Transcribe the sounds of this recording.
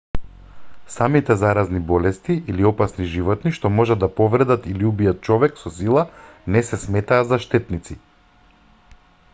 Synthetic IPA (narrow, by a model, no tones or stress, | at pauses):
samit̪ɛzaɾaznibɔlɛst̪iʔiliɔpasniʒivɔt̪niʃt̪ɔmɔʒad̪d̪ːapɔvɾɛd̪at̪iliubijat̪̚t͡ʃɔvɛksɔsilˠanɛsɛsmɛt̪aːzaʃt̪ɛt̪nit̪si